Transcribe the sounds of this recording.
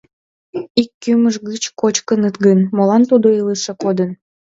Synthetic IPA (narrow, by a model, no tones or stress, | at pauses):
ikːyməʒɣɯt͡ɕkot͡ɕkənət̪ɡənmolɑnt̪ud̪oiləʃekod̪ən